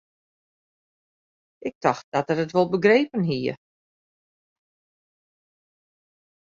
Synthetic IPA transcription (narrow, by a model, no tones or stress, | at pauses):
ʔɪk̚tʰɔxt̚d̥ɔtərətʋolˠbəɡreːpənɦiə